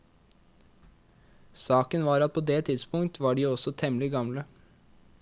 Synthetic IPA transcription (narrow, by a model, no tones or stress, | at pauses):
sɑːkənʋɑːɾɑt̪̚pʰoːd̪eːt̪ʰɪd̪spʊŋt̪ʰʋɑːɖiːɔsɔt̪ʰɛmlɪɡɑmlə